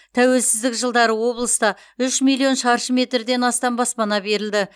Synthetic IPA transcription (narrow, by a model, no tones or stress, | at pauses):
t̪ʰæwe̞lsɪzd̪ɪkʒəlˠd̪ɑɾəwo̞blˠəst̪ɑ | ʏʃmijlˠːijo̞nʃɑɾʃəmʲe̞t̪rd̪e̞nɑst̪ɑnbɑspɑnɑbe̞ɾɪld̪ɪ